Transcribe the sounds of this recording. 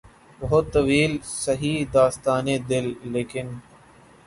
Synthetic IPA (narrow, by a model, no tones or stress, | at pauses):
bɐɦʊt̪ːɐʋiːlsɐɦiːd̪aːst̪aːned̪ɪlːeːkɪn